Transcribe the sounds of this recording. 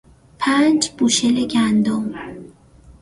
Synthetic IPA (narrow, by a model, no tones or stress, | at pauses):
pʰænd͡ʒb̥uːʃeleɟænd̪om